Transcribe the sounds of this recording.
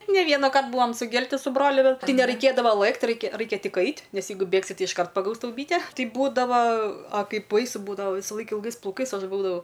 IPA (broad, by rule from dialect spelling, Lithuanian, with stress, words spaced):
nʲɛ ˈʋʲiɛnɐˌkɐrt ˈbuːʋɐm sʊˈɡʲɛlʲtʲɪ sʊ ˈbroːlʲʊ ˈbʲɛt ˈtɐɪ nʲɛrɐɪˈkʲeːdɐʋoː ˈlˠɘkt ˈrɐɪkʲɛ ˈrɐɪkʲɛ ˈtʲɪk ˈɐɪtʲ ˈnʲɛs ˈjɛɪɡʊ ˈbʲeːksʲɪ tʲɪ ɪʃˈkɐrt pɐˈɡɐʊs ˈtɐʊ ˈbʲiːtʲɛ ˈtɐɪ ˈbuːdɐʋɐ ɐ ˈkɐɪp ˈbɐɪsʊ ˈbuːdɐʋɐ ˈʋʲiːsɐˌlˠɐɪk ɪlˠˈɡɐɪs plˠɐʊˈkɐɪs ˈɐʃ ˈbuːdɐʋɐʊ